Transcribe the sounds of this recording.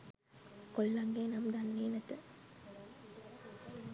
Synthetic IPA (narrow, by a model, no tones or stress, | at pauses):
kɔlːɐŋɡeːnɐmd̪ɐnʋeːnɐt̪ːɐ